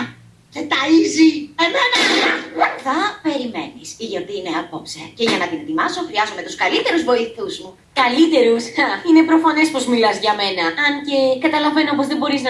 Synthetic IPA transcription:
cet̪ɐiziennɐlɐuθɐpe̞ɾime̞̰nisiʝot̪iineɐpopseceʝɐnɐt̪inet̪imɐso̞xɾiɐzo̞me̞t̪uskɐlit̪e̞ɾuzvo̞iθuzmu | kɐlit̪e̞ɾusine̞pɾo̞fɐnespo̞zmilɐzʝɐme̞nɐɐnce̞kɐt̪ɐlɐve̞noopo̞zðebo̞ɾiznɐ

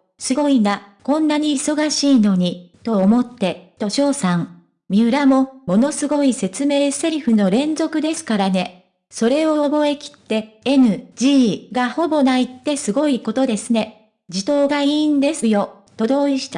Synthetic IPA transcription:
sɨɡo̞inakõ̞nːaɲ̟iːso̞ɡaɕiːno̞ɲ̟it̪o̞omo̞t̪ːe̞t̪o̞ɕo̞ːsãŋ | mʲiɯ̟ɾamo̞mo̞no̞sɨɡo̞ise̞t͡sɨme̞ːse̞ɾʲɯ̟ɸɯ̟no̞ɾẽ̞nzo̞kɯ̟d̪e̞sɨ̥kaɾane̞ | so̞ɾe̞oobo̞e̞kʲi̥t̪ːe̞enɯ̟d͡ʑiːɡaho̞bo̞nait̪ːe̞sɨɡo̞iko̞t̪o̞d̪e̞sɨne̞ | d͡ʑit̪o̞ːɡaiːnd̪e̞sɨjo̞ | t̪o̞d̪o̞ːiɕi̥t̪a

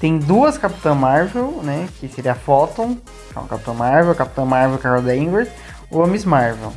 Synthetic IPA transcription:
t̪ẽj̃d̪uɐskapi̥t̪ɐ̃maɾvewnɛkɪseɾiɐfɔt̪õw̃ | ɛ̰ṵ̃kap̚t̪ɐ̃w̃maɾvewkap̚i̥t̪ɐ̃w̃maɾvewkaɡad̪aĩŋɡes | oɐmizmaɾvew

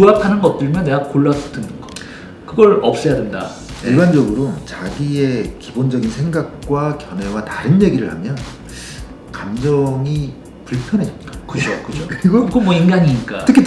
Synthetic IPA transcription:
puapʰanɯnɡʌt̚t͈ɯɭmjʌnːe̞ɡakoɭːastʰɯnɯnɡʌ | kɯɡʌɾʌp̚s͈ʌjadenda̰ | iɭband͡ʑʌɡɯɾot͡ɕaɡie̞kibond͡ʑʌɡinsʰe̞ŋɡak̚k͈wakjʌnwe̞wataɾɯnje̞ɡiɾɯɭhamjʌn | kamd͡ʑʌŋi | puɭpʰjʌnɦe̞d͡ʑʌt̚t͈akɯt͡ɕʰokɯd͡ʑʰoiɡʌkomwʌimɡaɲiɲik͈aɯkʰit

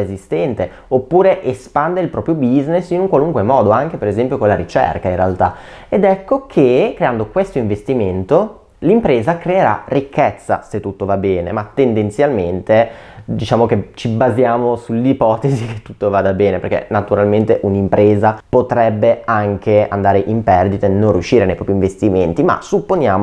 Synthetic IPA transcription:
ezist̪ɛnt̪e | opːuːɾeʔespand̪eilpɾɔːpɾjobiznesinuŋkwaluŋkwemɔːd̪oaŋk̟epeɾezɛmpjokonlːaɾit͡ʃɛ̰rkainrealt̪aed̪ɛkːokʰekːɾeand̪okwest̪oiɱvest̪iment̪o | limpɾeːzakɾeeɾa̰rikʰːɛt̪sːa̰set̪ːut̪ːovabɛːnḛmat̪ːend̪ent̪sjalment̪ed̪it͡ʃaːmok̟et͡ʃibazjaːmosulipɔːt̪ezike̥t̪ːu̥t̪ːovaːd̪abɛːneperkḛnat̪uɾalment̪eʔunimpɾʔeːzapot̪ɾɛbːeaŋkea̰nd̪aːɾeʔimpɛrd̪it̪anːõnrːjuʃːiːɾenejpɾɔːpɾjiɱvest̪iment̪ima̰supːonjaːmo

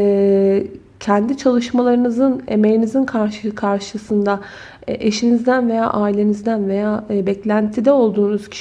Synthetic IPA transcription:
ɛ | cʰɛnd̪it͡ʃʰalˠɯʃmalˠaɾɯnɯzɯne̞me̞jinizinkʰaɾʃɯkʰaɾʃɯsɯnd̪a̰ | ʔe̞ʃinizd̪ænve̞ja̰ːʔaːilʲe̞nizd̪ænve̞jaːbɛclʲænt̪ʰid̪ɛo̞lˠd̪uːnuz̥cʰi̥ʃ

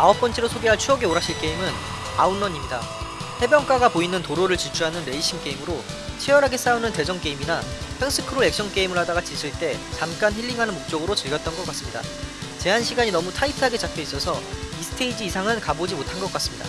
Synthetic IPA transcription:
aʌp̚p͈ʌnt͡ɕʰeɾosʰoɡeɦaɭt͡ɕʰuʌɡe̞oɾaɕʰiɭk͈eimɯn | aunːʌɲimɲida | he̞bjʌŋk͈aɡapoinɯntoɾoɾɯɭt͡ɕit͡ɕʰuɦanɯnɾe̞iɕʰimk͈e̞imɯɾo | t͡ɕʰijʌɾɦaɡe̞s͈aunɯnte̞d͡ʑʌŋk͈e̞iminapʰeŋsʰɯkʰɯɾoe̞k̚ɕ͈ʌŋk͈e̞imɯɭɦadaɡat͡ɕisʰɯɭt͈e̞t͡ɕamk͈ançiʎːiŋɦanɯnmok̚t͡ɕ͈ʌɡɯɾot͡ɕɯɭɡjʌt̚t͈ʌnɡʌk͈as͈ɯmɲida̰t͡ɕe̞ɦanɕʰiɡaɲinʌmutʰaitʰaɡe̞t͡ɕap͈ʰjʌis͈ʌsʰʌisʰɯ̥tʰe̞id͡ʑiːsʰaŋɯnkabod͡ʑimotʰanɡʌk͈as͈ɯmɲida̰

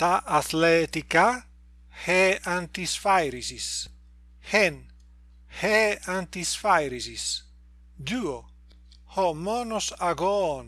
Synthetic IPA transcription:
t̪aʔat̪lɛt̪ika | heant̪isfajɾizis | hen | heant̪isfajɾizis | d̪uo | homɔnosaɡon

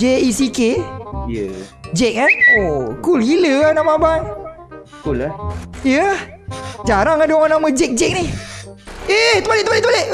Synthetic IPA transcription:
d͡ʒeisikejəd͡ʒɛk̚anokulhiləahnamaaban | kulajə | d͡ʒaɾaŋadŋanaməd͡ʒɛk̚d͡ʒɛk̚ni | et̪əbaleʔt̪baleʔt̪əbaleʔ

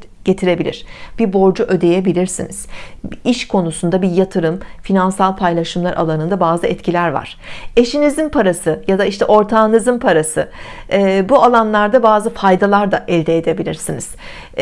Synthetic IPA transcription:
ɟ̥e̞t̪ʰiɾe̞bilʲḭɾ̝̥b̥ibo̞ɾd͡ʒuʔø̞d̪e̞jebilʲiɾsiniz̥iʃkʰo̞nusund̪abijat̪ʰɯɾɯmfinansalˠpʰajlʲˠaʃɯmlˠaɾʔa̰lˠanɯnd̪abaːzɯɛt̪cʰilʲæɾva̰ɾ̥e̞ʃinizinpʰaɾasɯjad̪aiʃt̪ʰɛʔo̞ɾt̪ʰaːnɯzɯnpʰaɾasɯɛbualˠanlˠaɾd̪abaːzɯfajd̪alˠaɾd̪aʔɛlʲd̪eːd̪e̞bilʲiɾsiniz̥

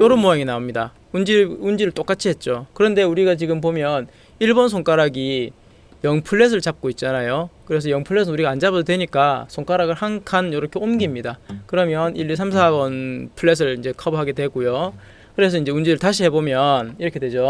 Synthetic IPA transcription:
joɾɯnmojaŋinaomɲida | und͡ʑiund͡ʑiɾɯɭt͈ok͈at͡ɕʰiɦe̞t̚t͡ɕ͈okɯɾʌnde̞uɾiɡat͡ɕiɡɯmp̬omjʌn | iɭbonsʰoŋk͈aɾaɡi | jʌŋpʰɯɭːe̞s̬ʰɯɭt͡ɕap̚k͈oit̚t͡ɕ͈anajokɯɾe̞s̬ʰʌjʌŋpʰɯɭːe̞s̬ʰʌnuɾiɡaːnd͡ʑabʌtʰotwe̞ɲik͈asʰoŋk͈aɾaɡɯɭhaŋkʰanjʌɾʌkʰe̞omɡimɲidakɯɾʌmjʌniʎːis̬ʰams̬ʰaɡʌnpʰɯɭːe̞s̬ʰɯɭind͡ʑe̞kʰʌbuɦaɡe̞twe̞ɡujo | kɯɾe̞s̬ʰʌind͡ʑeund͡ʑiɾɯɭtaɕʰiɦe̞bomjʌniɾʌkʰe̞dwe̞d͡ʑo

